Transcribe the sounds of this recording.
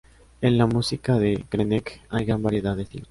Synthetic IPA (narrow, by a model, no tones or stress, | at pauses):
enlamusikaðekɾenekajɣɾambaɾje̞ðaðeθḭn